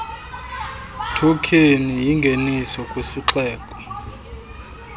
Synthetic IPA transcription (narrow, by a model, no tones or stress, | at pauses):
tʰukʰinijiŋɡʱenisɔkʼwesiǁɛːkʼɔ̥